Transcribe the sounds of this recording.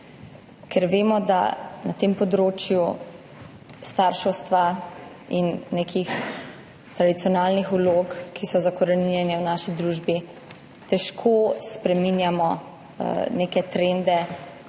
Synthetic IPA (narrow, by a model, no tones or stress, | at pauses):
kʰɛɾʋeːmɔd̪a̰nat̪eːmpɔd̪ɾoːt͡ʃju | st̪aɾʃɔwst̪ʋa | inːekix | t̪ɾad̪it̪sijɔnaːlnixuloːkkːisɔzakɔɾɛniɛnɛwnaːʃid̪ɾuːʒbi | t̪ɛʃkʰoːspɾɛminjamɔ | neːkɛt̪ɾend̪ɛ